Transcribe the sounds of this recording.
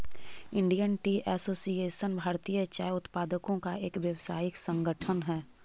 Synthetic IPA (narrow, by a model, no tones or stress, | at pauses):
ɪ̃ɳɖijənʈiʔɛːsoːsieːʃənbʱaːɾt̪iːjət͡ʃaːjʊt̪paːd̪əkõkaeːkʋjəwsaːjɪksə̃ŋɡəʈʰənɦɛː